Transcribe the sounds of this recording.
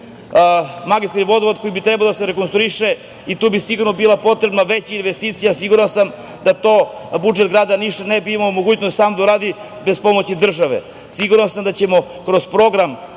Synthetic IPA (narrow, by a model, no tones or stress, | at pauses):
maɡist̪aɾiʋo̞d̪oʋod̪ko̞jibit̪ɾɛbalod̪aseɾekonst̪ɾuiʃe | it̪uːbisiɡuɾno̞biːlˠapo̞t̪ɾe̞bnaʋet͡ɕiinʋest̪iːt̪sijasiɡuɾansam | d̪at̪o̞ːbud͡ʒet̪ɡɾaːd̪aniʃt̪anebiimaloumoɡuːt͡ɕnost̪saːmd̪auɾaːd̪i | bespo̞mot͡ɕid̪r̩ʒaʋḛ | siɡuɾansamd̪at͡ɕe̞mo̞ | kɾo̞zpɾo̞ɡɾam